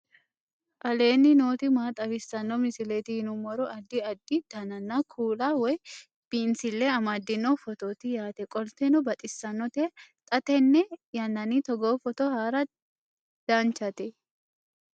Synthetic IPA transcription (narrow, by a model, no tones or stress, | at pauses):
ʔɐle̞ːnːɪno̞ːt̪ɪmaːt̪ʼɐbɪsːɐnːɔmɪsɪleːt̪ɪhɪnʊmɔɾʊʔɐd̪ːɪɐd̪ːɪd̪̥ɐnɐnːakʰuːlaːwɔj | b̥iːnsɪlːeɐmaːd̪ːɪnɔfɔt̪oːt̪ɪjaːt̪ɛkʼɔlt̪ɛnɔbɐt̪ʼɪsːɐnːɔt̪eːt̪ʼɐt̪ɛnːɛjɐnːɐnit̪ɔɡoːfɔt̪ɔhaːɾɐ | d̪̥aːnt͡ʃːɐt̪ɛ